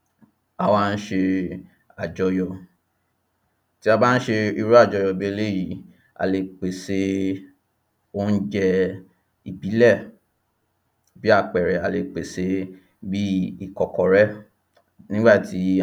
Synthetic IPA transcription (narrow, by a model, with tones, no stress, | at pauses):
a˨wã˦˧n̩˦ʃe˧ | a˨d͡ʒɔ˧jɔ˧ | ti˦a˧ba˦n̩˦ʃe˧i˧ɾu˦a˦˨d͡ʒɔ˨˧jɔ˧bi˦e˦˧˦le˦˨ji˨ | a̰˨le˧k͡pe˨se˧˦ | o˦n̩˦d͡ʒɛ˧ | i˨bi˨˦lɛ˦˨ | bi˦a˦˨k͡pɛ˨ɾɛ˨a˧le˧k͡pe˨se˧˦ | bi˦i˦˨kɔ˨kɔ˨ɾɛ˦ | nĩ˦ɡ͡ba˦˨ti˨˦